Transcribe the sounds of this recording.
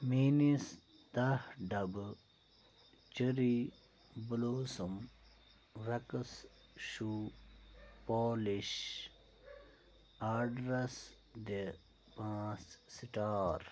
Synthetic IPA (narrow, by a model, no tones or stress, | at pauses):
minis | t̪ahɖɐb | t͡ʃəɾi | buloːsum | ɾɐkəs | ɕu | poːliɕ | aːɖɾɐs | d̪e | pãːssiʈaːɾ